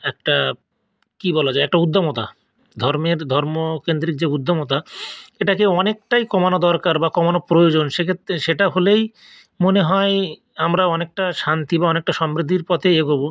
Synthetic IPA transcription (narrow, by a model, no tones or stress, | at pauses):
ɛk̚ʈa | kibɔlad͡ʑaeɛk̚ʈaud̪ʱːomot̪a | d̪ʱɔɾmeɾd̪ʱɔɾmokend̪ɾik̚d͡ʑeud̪ʱːomot̪aeʈakeɔnek̚ʈajkɔmanod̪ɔɾkaɾbakɔmanopɾojod͡ʑonʃekʰet̪eʃeʈaɦolej | moneɦɔe | amɾaɔnek̚ʈaʃant̪ibaɔnek̚ʈaʃɔmɾid̪ʱiɾpɔt̪ʰeeɡobo